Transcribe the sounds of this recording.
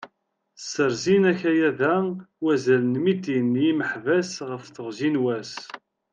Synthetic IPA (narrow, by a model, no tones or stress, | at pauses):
sːəɾzinæçæjæðæwæzælənmid̪injiməħvæsʁəfθəʁzinwæs